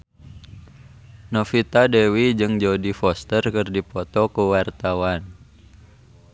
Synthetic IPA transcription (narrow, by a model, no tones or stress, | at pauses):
nofit̪adɛwid͡ʒɨŋd͡ʒodifɔst̪ərkɨrdipɔt̪ɔkuwart̪awan